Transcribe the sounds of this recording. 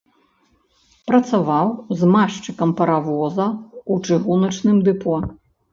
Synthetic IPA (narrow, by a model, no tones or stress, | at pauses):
pɾɐt̪savawzmaʂt͡ʂɨkɐmpɐɾavɔzɐut͡ʂɨɣunɐt͡ʂnɨmd̪ɨpɔ